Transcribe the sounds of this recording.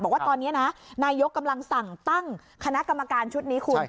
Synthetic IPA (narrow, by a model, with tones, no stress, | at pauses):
ɔ˨˩kwa˥˩t̪ɔː˧nːi˦˥ɐna˦˥naː˧jo˦˥kːa˧mla˧ŋsa˨˩ŋt̪a˥˩ŋ | kʰa˧na˦˥ka˧mːa˧kaː˧nt͡ɕʰu˦˥t̪̚niː˦˥kʰu˧n